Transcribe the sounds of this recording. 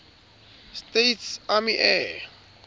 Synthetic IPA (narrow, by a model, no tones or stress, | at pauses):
stejtsamiʔɛ